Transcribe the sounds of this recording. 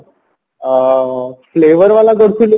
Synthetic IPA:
fleʋəɾʋalaɡoɽkʰul

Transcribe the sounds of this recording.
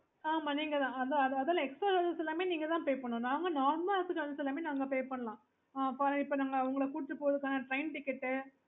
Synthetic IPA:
aːmaːniːŋɡɐt̪ãːɐnd̪ɐɐðɐðɐlãɛksʈɾaːkɐlɐsɛlːaːmeːniːŋɡɐt̪ãːpeːpɐɳːũnaːŋɡɐnaːɾmɐlɐsɯkɐlɐsɛlaːmeːnaːŋɡɐpeːpɐɳːɐlãː | aɐpaːɾɯ̃ɪpːoːnaːŋɡɐːʋɐŋɡɐɭɐkuːɽɪʈɾɯpːoːʋɐðɯkːaːnɐʈɾɐɪnʈɪkːɪʈːɯ

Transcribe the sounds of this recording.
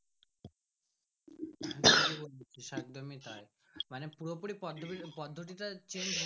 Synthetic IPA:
aiibolt͡ɕʰiʃak̚d̪omit̪ae | manepuɾopuɽipɔd̪ʱipɔd̪ʱːoʈ̬iʈat͡ɕini

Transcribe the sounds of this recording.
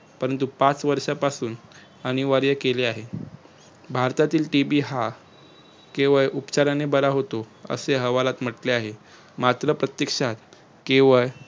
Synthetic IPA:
pəɾənt̪upat͡sʋəɾʂapasuːn | əñiʋaɾjəkeleaɦe | bʱaɾt̪at̪iːlʈibiːɦa | keʋəɭʔupt͡ɕaɾanebəɾaɦot̪oə̰seɦəʋalat̪m̤əʈleaɦe | mat̪ɾəpɾət̪jəkʂat̪ | keʋəɭ

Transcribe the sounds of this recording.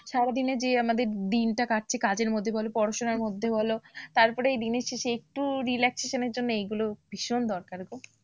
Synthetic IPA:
ʃaɾad̪ined͡ʑeamad̪eɾd̪inʈakaʈ̚t͡ɕʰekad͡ʑeɾmod̪ʱːebɔlopɔɾaʃonaɾmod̪ʱːebɔlot̪aɾpɔɾeejd̪ineʃeʃeek̚ʈuɾilɛkseʃaneɾd͡ʑonːoejɡulob̥ʱiʃond̪ɔɾkaɾɡo

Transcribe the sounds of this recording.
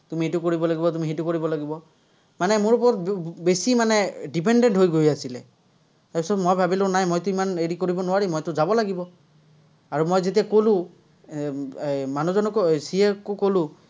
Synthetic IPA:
tumietukoɹibɔlaɡibɔtumiɦetukoɹibɔlaɡibɔ | manɛmoɹupɔɹɔt̚besimanɛdip̬endɛntɦojɡojasilɛ̰ | taɹpisɔtmojbʱabilonajmojtʊimaneɹikoɹibɔnʊwaɹimɔjtʊzabɔlaɡibɔ | aɹumojzet̬iakolʊ̃ | manuzɔnɔksiekːokolʊ̃

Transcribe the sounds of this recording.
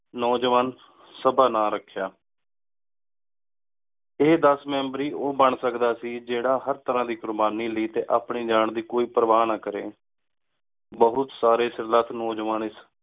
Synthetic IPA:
nɔːd͡ʒʋaːn | səbaːnaːɾəkʰːjaː | eːd̪əsmɛ̃ːmbɾiːʔoːbəɳsəkd̪aːsiːd͡ʒeːɽaːɦəɾt̪əɾãːd̪iːkʊɾbaːniːləiːt̪eːʔaːpɳiːd͡ʒaːɳd̪iːkoːiːpəɾəʋaːnãːkəɾeː | bəɦʊt̪saːɾeːsəɾlaːt̪ʰnɔːd͡ʒʋaːnɪs

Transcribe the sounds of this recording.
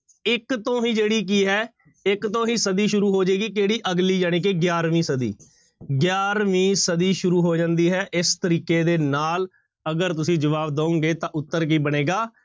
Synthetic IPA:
ɪkt̪õːɦĩːd͡ʒeːɽiːk̬iːɦɛː | ɪkt̪õːɦĩːsəd̪iːʃʊɾuːɦoːd͡ʒeːɡiːk̬eːɽiːʔəɡliːd͡ʒaːñiːk̬eːɡjaːɾʋĩːsəd̪ḭː | ɡɪjaːɾʋĩːsəd̪iːʃʊɾuːɦoːd͡ʒãːnd̪iːɦɛːʔɪst̪əɾiːkeːd̪eːnaːl | əɡəɾt̪ʊsĩːd͡ʒəʋaːbd̪aːõːŋɡeːt̪ãːʔʊt̪ːəɾk̬iːbəɽeːɡaː

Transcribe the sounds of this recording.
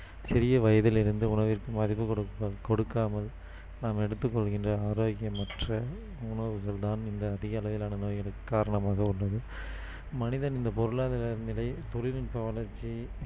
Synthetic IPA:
sɪɾɪjɐʋɐjɐðɪlɪɾɯnd̪ɯʊɳɐʋɪrkɯmɐðɪpːɯkɔɽɯkːɐkɔɽɯkːaːmɐl | naːmɛɽɯt̪ːɯkːɔɭɣɪndrɐaːɾoːɣɪjɐmːɐʈrɐ | ʊɳɐʋɯɣɐɭt̪aːnɪnd̪ɐːðɪɣɐːlɐʋɪlaːnɐnoːjɐɭɯkːaːɾɐɳɐmaːɣɐʊɭːɐðɯ | mɐnɪðɐnɪnd̪ɐpɔɾɯlaːðɪlɐnɪlɐɪt̪ɔlɪlɪnpɐʋɐlɐɾt͡ʃːi

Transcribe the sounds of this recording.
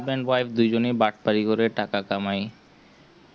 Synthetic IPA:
bɛɳɖwajfd̪ujd͡ʑonebaʈ̚paɾikoɾeʈakakamaj

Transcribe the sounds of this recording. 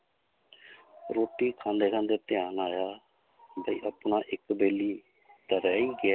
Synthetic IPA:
ɾoːʈiːkʰãːnd̪eːkʰãːnd̪eːt̪ɪjaːnaːjaː | bəḭːʔəpnaːʔɪkbeːliː | t̪əɾɛːiːɡɪa

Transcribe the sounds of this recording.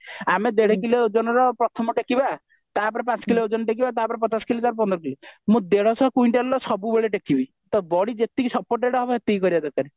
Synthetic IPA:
amed̪eɽ̤ekileod͡ʒɔnɔɾɔpɾɔt̪ʰɔmɔʈekiba | t̪apɔɾepãt͡ʃkileod͡ʒɔnɔʈek̬ibat̪apɔɾepɔt̪askild͡ʒaɾp̬ɔnd̪ɾɔkilimũd̪eɽɔsɔkuiɳʈellɔsɔbubeɭeʈekibi | t̪ɔbɔɽid͡ʒet̪ikisɔpoɾʈeɽɔɦɔbɔɦet̪ikɔɾiad̪ekaɾe

